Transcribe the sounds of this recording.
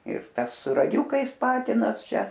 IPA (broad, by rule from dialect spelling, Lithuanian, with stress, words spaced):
ɪr ˈtɐs sʊ rɐˈɡʲʊkɐɪs ˈpɑːtʲɪnɐs ˈt͡ʃʲɛ